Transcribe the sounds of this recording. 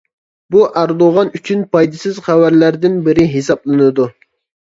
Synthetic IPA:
buʔæɾd̪oʁɑnyt͡ʃʰynpʰɑjd̪ɨsɪzχæwæɾlæɾd̪ɪnbɪɾɪɦesɑplˠɨnɨd̪u

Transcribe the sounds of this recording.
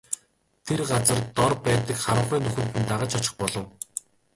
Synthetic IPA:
t̪ʰerɢat͡sə̆rt̪ɔrpæːt̪ə̆kχaɾə̆χiːnɵxɵ̆n̥t̪ɘ̆nt̪aʁə̆t͡ɕʰɔt͡ɕɪ̥̆χpɔɮɞ̆w

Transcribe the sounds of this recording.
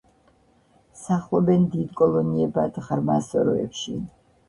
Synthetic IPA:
saχlˠɔbɛnd̪id̪kʼɔlˠɔniɛbad̪ʁɾmasɔɾɔ̰ɛ̰pʃi

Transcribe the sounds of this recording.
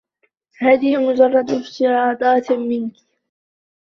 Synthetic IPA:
haːðɪhɪmʊd͡ʒɑrˤːɑd̪ɪft̪ɪɾɑːd̪ˤɑːt̪mɪnk

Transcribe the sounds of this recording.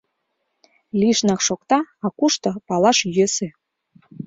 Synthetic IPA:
liʃnɑkʃokt̪ɑɑkuʃt̪ɤ̆pɑlˠɑʃjøsĕ

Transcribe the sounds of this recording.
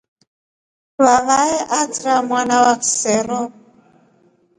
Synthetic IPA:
βaβaɛʔat͡sɾamwanawaksɛɾɔ

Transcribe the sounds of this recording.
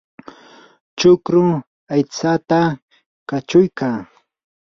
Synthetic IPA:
t͡ʃʊkɾʊŋ | ajt͡sat̪a | kat͡ʃʊjkaː

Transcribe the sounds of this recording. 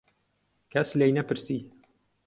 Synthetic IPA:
kʰɐslejnɐpɨɾsiː

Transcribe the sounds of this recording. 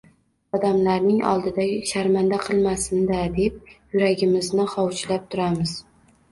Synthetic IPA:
ɒd̪amlaɾnɪŋɒ̰lˠd̪ɪd̪aʃaɾmand̪aqʰɨlˠmasɪnd̪ad̪e̞p̚jʊɾaɡʲɪmɪznɪχɒwt͡ʃʰlap̚t̪ʰʊɾamɪz̥

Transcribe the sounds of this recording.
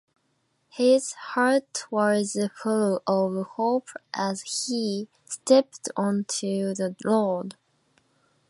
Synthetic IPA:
hɪz̥hɑɹtwʌzɨfɔloʔʌvhoʊpʰʔəz̥i | stɛp̚tʰɔ̃ntʰʉðəlɔɹd

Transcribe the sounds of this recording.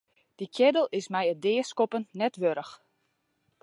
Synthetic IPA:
d̥ikʰjɛdəlˠɪsmɛjədɪːskopənnɛtʋøɾəx

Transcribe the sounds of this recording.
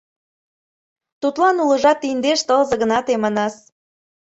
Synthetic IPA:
t̪ut̪lɑnulə̆ʒɑt̪ːind̪eʃt̪ɤlzɤ̆ɣə̆nɑt̪emɑnɑs

